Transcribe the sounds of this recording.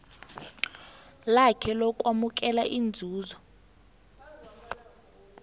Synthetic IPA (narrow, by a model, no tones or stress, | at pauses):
lakʰɛlɔkʼwamuk̬ʼɛlaʔind͡zʱuːzɔ